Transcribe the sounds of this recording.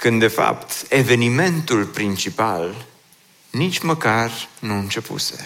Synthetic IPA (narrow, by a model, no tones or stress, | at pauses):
kɨnd̪e̞fa̰pt̪e̞ve̞nime̞nt̪ulpɾint͡ʃipal | nit͡ʃʲməkarnuɨnt͡ʃe̞pṵse̞̥̰